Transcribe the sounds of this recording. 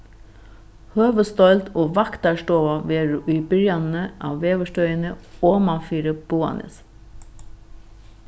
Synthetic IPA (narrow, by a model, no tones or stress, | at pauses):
høːʋəst̪ɔʏlt̪ʰoːʋɑkt̪ɑʂʈoːʋaʋeːɾʏːbʏɾjanəʔɑ̰ːʋʋeːʋəʂtœʏənəoːmɑfiːɾəb̥uːɑ̰nʔə̰s